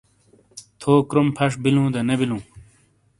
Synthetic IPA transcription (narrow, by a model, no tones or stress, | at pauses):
t̪ʰoːkɾumpʰɐʂbilũːd̪ɐnebilũː